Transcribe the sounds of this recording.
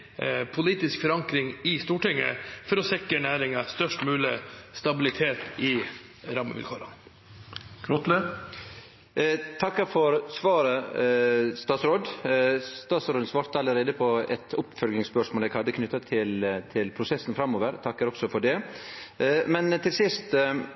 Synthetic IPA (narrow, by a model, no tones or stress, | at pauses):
pʰʊliːt̪ɪskfɔɾɑŋkɾɪŋɪst̪uːʈɪŋːə̰fɔɾɔsɛkːəɳæːɾɪŋɑst̪œʂʈmʉːlɪst̪ɑbɪlɪt̪ʰeːt̪ɪ | ɾɑmə̰ʋɪ̰lkʰoːɾɑ̰n | kʰɾɔt̪lə | t̪ʰɑkːəfɔɾsʋɑːɾə | st̪ɑːsɾoːd̪st̪ɑːsɾoːd̪sʋɑːɾt̪əɑlːəɾeːd̪əpʰɔɛt̪ʰʊpfœlɡɪŋspœʂmoːlɛɡhɑd̪ːəkʰnʏt̪ːɑt̪ʰɪlt̪ʰɪlpʰɾʊsɛsnfɾɑmːoːʋəɾt̪ʰɑkːəɾɔksɔfɔɖɛ | mɛnt̪ʰɪlsɪst̪